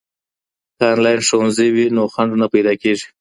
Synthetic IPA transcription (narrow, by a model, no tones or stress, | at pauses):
kɑnlɑjnʂowanziwinoxaɳɖnapajd̪ɑkeʐi̥